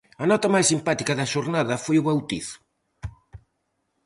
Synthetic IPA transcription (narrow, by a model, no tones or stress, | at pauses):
ɐnɔt̪ɐmajsimpat̪ikɐðɐʃoɾnaðɐfojʊβawt̪iθʊ̥